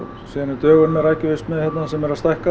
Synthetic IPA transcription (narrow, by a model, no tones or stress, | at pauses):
siːðanɪt̪œːɣʏnmɛɾajcɪʏst̪mɛðçɛt̪nasɛmɛɾast̪ajhka